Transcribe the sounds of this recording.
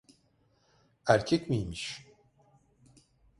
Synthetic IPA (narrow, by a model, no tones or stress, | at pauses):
æɾcʰɛcmijmiʃ